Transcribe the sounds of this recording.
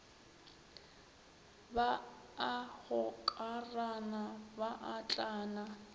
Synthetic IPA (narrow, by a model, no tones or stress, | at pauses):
baː | hʊkʼaranabaʔat͡ɬʼaːna